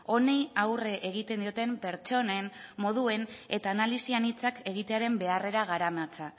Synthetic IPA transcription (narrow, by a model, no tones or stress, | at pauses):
o̞nejawre̞ʔeɣ̞it̪e̞nd̪io̞t̪e̞mpe̞ɾt͡ʃo̞nemmo̞ðue̞ne̞t̪aːnalisianit͡sake̞ɣit̪e̞aɾe̞mbe̞are̞ɾaɣ̞aɾamat͡sa